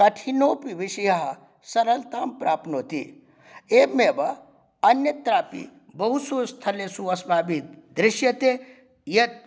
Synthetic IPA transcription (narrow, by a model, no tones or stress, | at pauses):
kɐʈʰinoːpiʋiʃɐjɐɦɐ | sɐɾɐlt̪aːmpɾaːpnoːt̪i | eːmeːbɐ | ɐnjɐt̪ɾaːpḭ | bɐɦusoːst̪ʰɐlesuɐsbaːbit̪d̪ɾɪʃjɐt̪eː | jɐt̪̚